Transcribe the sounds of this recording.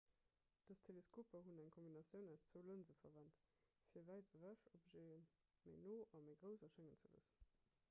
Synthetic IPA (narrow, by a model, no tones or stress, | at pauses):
d̥ɑstʰeleskʰoːpɐɦunæŋkʰombinɑsjəʊnæʊst͡svəʊlənzəfɐ̰væntfiːɐvæɪtəvæʃopʒeːən | məɪnoːʔɑməɪɡʁəʊzɐʃæŋənt͡səvə̰sə̥n